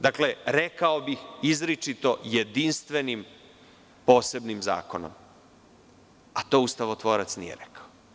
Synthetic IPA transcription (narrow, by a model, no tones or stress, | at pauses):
d̪akle̞ɾekaobixizɾit͡ʂit̪o̞jed̪inst̪ʋe̞nim | poːse̞bnimza̰ːko̞no̰m | at̪o̞ːust̪aʋot̪ʋo̞ːɾat̪snijḛɾekḁo